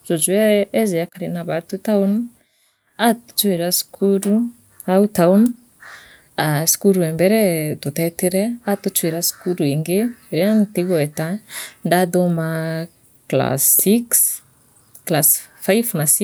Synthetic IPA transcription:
z̥od͡ʒweezeakaɾenabat̪ut̪awnə | at̪u̥t͡ʃueɾasi̥kʰuɾu | awut̪awnə | asi̥kuɾuembeɾed̪ot̪et̪iɾeat̪ut͡ʃueɾasi̥kuɾueŋɡeɾeanit̪ikoet̪aɳdad̪oma | kla̰siks | klas | fajfunasi

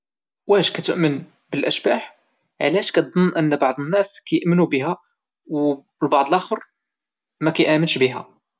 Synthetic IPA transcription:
wæʃkæt̪əʔmən | bəlʔæʃbaħ | ʕlæʃkæt̪̚d̪ˤənːʔənːbɑʕd̪ˤənːæskæjəʔmənubiɦæ | w | lbɑʕd̪ˤəlʔæxəɾ | mækæjʔæmənʃbiɦæ

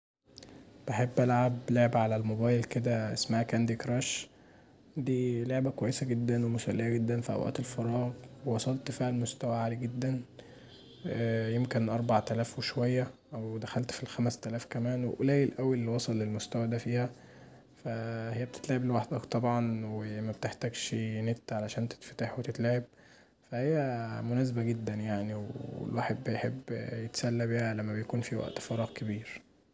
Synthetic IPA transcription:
b̥eħebːʔælʕableʕebʕalælmobæːjelked̪æʔesmahækænd̪ikɾˤæʃ | d̪iːloʕbækowæjːesæɡed̪ːænwemosælːejæɡed̪ːænfiʔæ̰wʔæ̰ːt̪elfɑɾˤɑːɣwewɑsˤɑlt̪fiːʕælmost̪æwæʕaːliɡed̪ːæn | jemkenʔɑɾˤbaʕt̪ælæːfweʃowæjːæʔæwd̪æxælt̪filxæmæst̪ælæːfkæmæːnwḛʔolæːʔelʔæwilːiwɑsˤɑlːelmost̪æwæd̪æfiːhæ | fæhejːæbet̪et̪læʕeblewaħd̪ækt̪ˤɑbʕɑnwemæbet̪eħt̪æːɡʃnet̪ːʕalæʃæːnt̪e̥t̪fæ̥t̪aħwet̪et̪læːʕeb̚ | fæhejːæmonæːz̬ebæɡed̪ːænjaʕniweḛlwaːħebːejħebːjet̪sælːæbihælæmːæbejækuːnfiwæ̰ʔt̪fɑɾˤɑːɣkebiːɾ

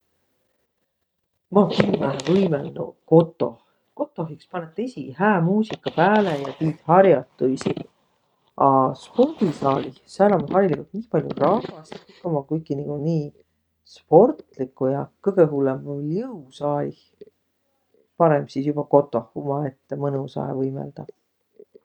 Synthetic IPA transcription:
mɑinæɦvɯjmenːṵko̞t̪ːˑo̞̰h | ko̞t̪ːˑo̞ɦikspɑnet̪ːˑisʲihæːmuːsikːˑɑpæːlejɑt̪iːt̪hɑrjɑt̪ːˑuisḭ | ɑspo̞rd̪̥isɑːlihsælɑmhɑɾilikult̪niːpɑlʲjṵrɑvɑsik̪ːˑomɑkujkːˑiniɡ̥uniː | spo̞rt̪likːˑujɑkɤɡ̥eɦulːemjɯusɑːlih | pɑɾemsisjub̥ɑko̞t̪ːˑo̞humɑe̞t̪ːemɤnusɑ̰ḛvɤjmḛld̪̥ɑ

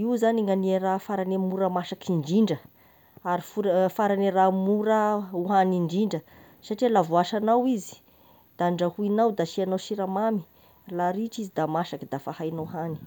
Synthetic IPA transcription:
iwzaniŋanierafaɾanemuɾəmaʃakʰiɳd͡ʒiɳɖ͡ʐə | aɾifuɾfaɾaneɾamuɾəuɦaniɳɖ͡ʐiɳɖ͡ʐə | saʈ͡ʂilavuaʃanawizi̥ | d̪̥aɳɖ͡ʐahuinawd̪aʃianawʃiɾamami̥ | laɾiʈ͡ʂizid̪amaʃakid̪afahajnahani̥

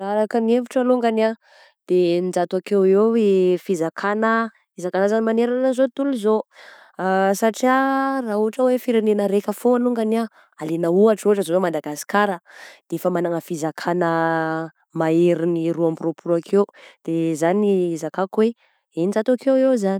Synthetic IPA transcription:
aɾakənievuʈ͡ʂaluŋɡana | d̪̥enid͡ʒat̪wakeweefizakʰanə | izakanəzanimaneɾanəzot̪uluzo | saʈ͡ʂiarauaʈ͡ʂəwefiɾenenəɾekəfoaluŋɡania | alenəuaʈ͡ʂuaʈ͡ʂəzoomand̪aɡasi̥kaɾəd̪̥eefəmanaŋəfizakʰanə | maeɾiniɾuambropʰuɾakʰewd̪̥ezaniizakakwe | enid͡ʒat̪akewewzani̥

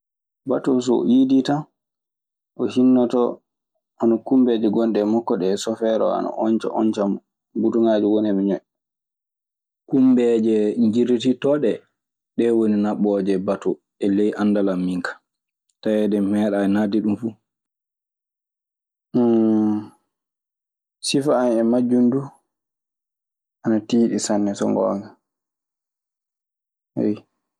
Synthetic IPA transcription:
batɔs̬ɔ̰ʔidita | ʔɔhinːɔtɔ | ʔanɔkumbed͡ʒɛɡɔnɗɛmɔkːɔɗɛsɔfɛɾɔ̰a̰na̰ʔɔnt͡ʃɔ̰ʔɔ̰ɲt͡ʃam | butuŋaːd͡ʒuwonɛmiɲɔj | kumbɛd͡ʒɛɲd͡ʒiɾititɔɗɛ | ɗɛwoninaɓɔd͡ʒɛbatɔ | ʔɛlejʔandalamːiŋkʰḁ | tajɛdɛmɛːɗaɛnadiɗumfu | sifaːnɛmad͡ʒundu | ʔanatiːɗisanːɛsɔ̰ŋɡɔ̰ːŋa | hḛj

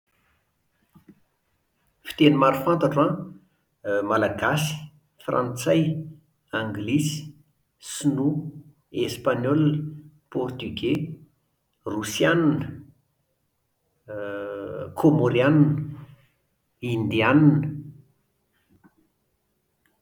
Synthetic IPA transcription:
fi̥t̪enimaɾufant̪aʈ͡ʂuã | malaɡasi̥ | frʔa̰nt͡saj | ãŋɡlisi̥ | snu | espaɲɔl | pɔrt̪yɡe | rusjannə | kʰomoɾiannə | ind̪iannə

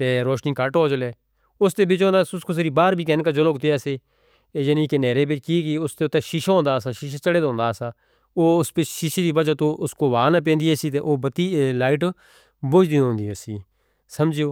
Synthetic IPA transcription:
t̪eːɾoːʃniːkəʈɦoːd͡ʒəleː | ʊst̪eːbɪt͡ʃõːnd̪aːsʊskoːs̬eɾiːbaːɾbʱiːkɛːnkaːd͡ʒoloːkt̪eːaːseː | d͡ʒənĩːkeneːɾeːbɪt͡ʃkiːkiːʊst̪eːʊt̪ːeːʃiʃõːnd̪aːsaːʃɪʃat͡ʃəɽeːd̪õːnd̪aːsaː | oːʊspɪt͡ʃʃiʃed̪iːbəd͡ʒaːt̪oːʔʊskoːʋaːnap̬ẽːnd̪iːɛsiːt̪eːʔoːbət̪iːlaːɪʈ | bʊd͡ʒd̪iõːnd̪iːɛsiː | səmd͡ʒoː

